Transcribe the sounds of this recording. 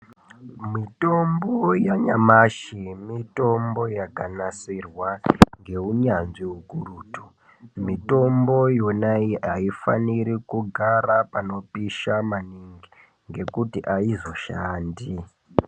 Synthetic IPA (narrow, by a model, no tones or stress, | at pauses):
mito̞mbojaɲamaʃimito̞mbo̞jakanasirwaŋɡe̞uɲanʐiɦukuruːtu̥ | mito̞mbo̞jonaiaifa̰niɾikuɡʱarapano̞piʃamaniŋɡi | ŋɡe̞kutiʔaizo̞ʃaːndi